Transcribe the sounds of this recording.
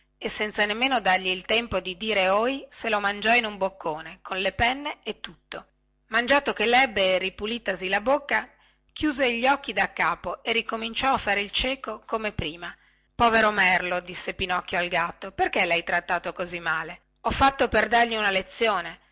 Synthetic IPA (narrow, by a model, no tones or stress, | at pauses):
esːɛnt̪sanemːeːnod̪arʎiːlt̪ɛmpod̪id̪iːɾeojselomand͡ʒɔinumbokːoːnekʰonlepɛnːeːt̪ːut̪ːo | mand͡ʒaːt̪okelɛbːeripuliːt̪asilabokːa | kʰjuːzeʎːɔkːid̪akːaːpoerːikomint͡ʃɔafːaːɾeilt͡ʃɛːkokomepɾiːma | pɔːveɾomɛrlod̪isːepinɔkːjoalɡat̪ːoperkelajt̪ɾat̪ːaːt̪okozimːaːle | ɔfːat̪ːoperd̪arʎiunalet̪sːjoːne